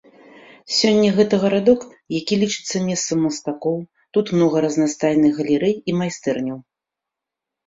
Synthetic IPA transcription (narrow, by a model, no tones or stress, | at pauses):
sʲɔnʲːɐɣɛt̪ɐɣɐɾad̪ɔk | jakʲilʲit͡ʂɨ̥t̪sːɐmʲɛst̪sɐmɐst̪akɔw | t̪ut̪mnɔɣɐɾɐznast̪ajnɨxɣɐlʲɪɾɛjimajst̪ɛrnʲɐw